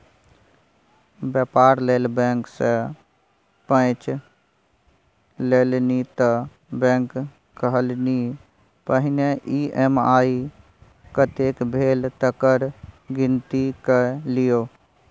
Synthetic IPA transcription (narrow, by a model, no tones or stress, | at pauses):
bjəpaːɾleːlbẽːŋkse | pə̃t͡ʃ | leːlnit̪ə | bɛ̃ːŋk | kəɦəlni | pəɦɪneʔiʔemaːi | kət̪ekbʱeːlt̪əkəɾɡɪnt̪ikelijoː